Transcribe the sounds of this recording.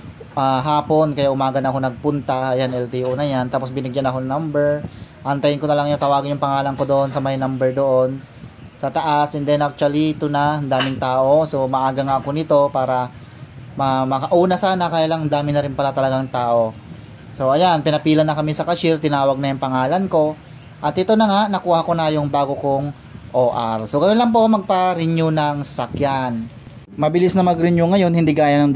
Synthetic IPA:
ʔaɦaːpo̞nkɐjaʔʊmaːɡɐnɐko̞nɐɡ̚pʊnt̪aɐjanʔɛlt̪iʔonɐjant̪aːpo̞sbɪnɪɡjanɐko̞nɐŋnɐmbɛɹʔɐnt̪ɐjɪnkonɐlaŋjʊŋt̪ɐwaːɡɪnjʊŋpɐŋaːlɐŋko̞d̪oʔonsɐmɐjnɐmbɛɹd̪oʔo̞n | sɐt̪ɐʔasʔɛnd̪ɛnʔak̚t͡ʃʊɐlit̪ʊnaɐnd̪aːmɪŋt̪aːʔo̞so̞mɐʔaːɡɐŋaɐko̞nɪt̪o̞paːɾɐ | mɐmɐkɐʔuːnɐsaːnɐkajalaŋɐnd̪aːmɪnɐɾɪnpɐlat̪ɐlɐɡaŋt̪aːʔo̞ | so̞ʔɐjanpɪnɐpiːlɐnːɐkɐmɪsɐkɐʃɪɾt̪ɪnaːwɐɡ̚nɐjʊŋpɐŋaːlɐnko̞ | ʔɐt̪ʔɪt̪o̞nɐŋaʔnɐkuːhako̞najʊŋbaːɡokoŋ | ʔoːʔaɾsoɡɐjonlɐŋpo̞mɐɡ̚pɐɾɪɲjʊnɐŋsɐsakjan | mɐbɪlɪsnɐmɐɡɾɪɲjʊŋɐjo̞nhɪnd̪iɡaːjɐnɐŋ

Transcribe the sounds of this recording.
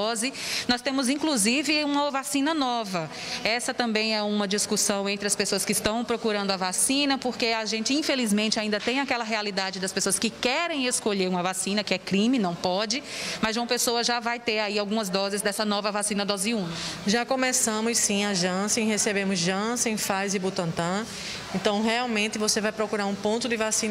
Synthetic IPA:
ɔzɪnɔst̪ẽmʊzĩkluzivɪũmɐvasĩnɐnɔvɐ | ɛsɐt̪ɐ̃mbẽj̃ɛũmɐd͡ʒiskusɐ̃w̃ẽnt̪ɾɪɐspesoɐskɪːst̪ɐ̃w̃pɾokuɾɐ̃nd̪ʊɐvasĩnɐpoɾkeaʒẽnt͡ʃɪĩfelizmẽnt͡ʃɪaĩnd̪ɐt̪ẽj̃akɛlɐɦealid̪ad͡ʒɪd̪ɐspesoɐskɪkɛɾẽj̃eskoʎeɾũmɐvasĩnɐkɪɛkɾĩmɪnɐ̃w̃pɔd͡ʒɪmɐzʒũpesoɐʒavajt̪eɾaiawɡũmɐzd̪ɔzɪzd̪ɛsɐnɔvɐvasĩnɐd̪ɔziũnɐʒakõmesɐ̃mʊssĩaʒɐ̃sẽj̃hesebẽmʊzʒɐ̃sẽj̃fajzɪbut̪ɐ̃nt̪ɐ̃ | ẽnt̪ɐ̃w̃ɦeawmẽnt̪ɪvosevajpɾokuɾaɾũpõnt̪ʊd̪ɪvasĩnɐ

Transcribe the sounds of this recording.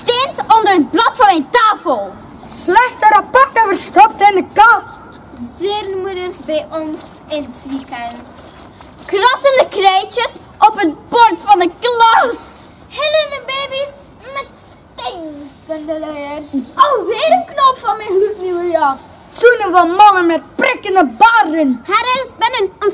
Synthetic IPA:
stɪntɔndərət̚blɑtfɑnɛjntaːfəlˠ | slɛxtəɾapɑrtəvərstɔp̚tɪndəkɑst | zɪrnmudərsbɛjʔɔns | ɪntʋikən | krɔsəndəkrejtəs | ɔpət̚bɔrtfɑndəklas | hɪləndəbeːbis | mɛts | tenkəndəlɛjərowʋɪːɾəknopfɑnmɛlykniwəjɑ | sunənvɔmɑŋənmɛt̚prɪkəndəbardənhaɾəsbɛnənɔn

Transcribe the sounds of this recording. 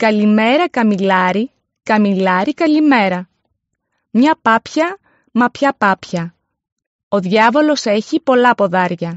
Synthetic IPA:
kɐlime̞ɾɐkɐmilɐɾi | kɐmilɐɾikɐlime̞ɾɐ | mɲɐpɐpçɐ | mɐpçɐpɐpçɐ | o̞ðʝɐvo̞lo̞se̞çipo̞lɐpo̞ðɐɾʝɐ

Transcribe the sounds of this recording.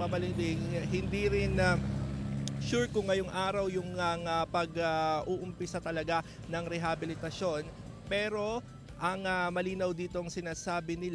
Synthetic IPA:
ɐmɐlɪlɪŋɦɪnd̪iɾɪnɐ | ʃuɹkʊŋːɐjoŋʔaːɾɐwjʊŋɐŋɐpɐɡɐʔuːʔʊmpɪsat̪ɐlɐɡa | nɐŋɾɛɦabɪlɪt̪ɐʃo̞n | pɛːɾo̞ | ʔɐŋɐmɐliːnɐwd̪iːt̪oŋsɪnaːsaːbɪnɪl

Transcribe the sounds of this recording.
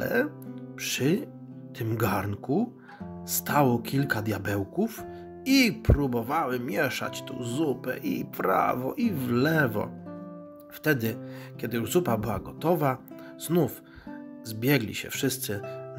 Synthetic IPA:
lɛ̰pʂɘ | t̪ɘmɡaɾnku | st̪awɔkʲilkad̪ʲjabɛwkuf | ipɾubɔvawɘmʲjɛʂa̰t͡ɕt̪ṵzupɛ̰ʔḭpɾa̰vɔʔivlɛvɔ̰ | ft̪ɛd̪ɘkʲɛd̪ɘjuʐzupabɘwaɡɔt̪ɔva | znuf | zbʲjɛɡlʲḭɕɛ̰fʂɘst̪sɘ

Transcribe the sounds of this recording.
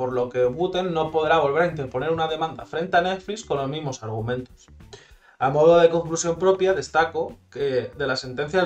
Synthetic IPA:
po̞ɾlo̞ke̞βut̪e̞nːo̞po̞ðɾaβ̞o̞lβe̞ɾaint̪e̞ɾpo̞neɾunaðe̞mãnd̪a̰fɾe̞nt̪eane̞t̪flisko̞nlo̞zmizmo̞saɾɣ̞umẽ̞nt̪o̞̥s | amo̞ðoð̞e̞ko̞ŋklusjo̞mpɾo̞pjaðe̞st̪ako̞keðe̞lase̞nt̪e̞n̟θja

